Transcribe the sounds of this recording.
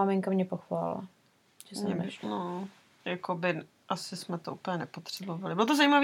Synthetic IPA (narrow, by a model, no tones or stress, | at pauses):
amɪŋkamɲɛpoxvaːlɪ̰la̰ | ɛsɲɛbɪno | jakobɪn | ʔasɪsmɛt̪oʔuːpəɲɛnɛpo̞t̪r̥ɛbovalɪbɪlot̪ozajimavi